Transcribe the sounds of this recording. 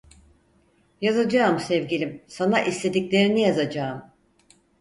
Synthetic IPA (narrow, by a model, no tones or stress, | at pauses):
jazad͡ʒaɯmsɛvɟilʲimsanaʔist̪e̞d̪iclʲe̞ɾinijazad͡ʒaːm